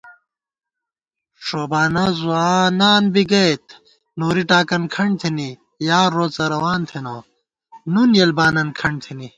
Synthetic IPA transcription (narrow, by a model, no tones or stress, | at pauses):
ʂoːbaːnɐzuaːnaːnbiɡɐjt̪̚ | noːɾiʈaːkɐnkʰɐɳt̪ʰeni | jaːɾːoːt͡sɐɾɐwaːnt̪ʰeno | nunjɐlbaːnɐnkʰɐɳt̪ʰini